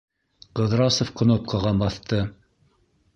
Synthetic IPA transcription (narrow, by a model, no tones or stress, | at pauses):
qɤ̆ðɾɑsŏfqŏnop̚qʰɑʁɑbɑθt̪ɤ